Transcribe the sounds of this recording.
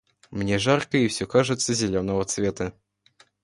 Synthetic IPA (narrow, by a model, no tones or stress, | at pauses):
mnʲeʐarkəifsʲɔkaʐɨt̪sːəzʲɪlʲonəvət̪svʲet̪ə